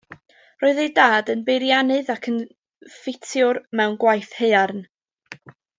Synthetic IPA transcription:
roːɨðejdaːdənbejɾjanɨðakʰən | fɪtʰjʊrmɛwnɡwajθhejarn

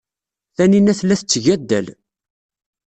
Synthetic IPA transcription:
θæninæθlːæθət͡sːʝæd̪ːə̰l

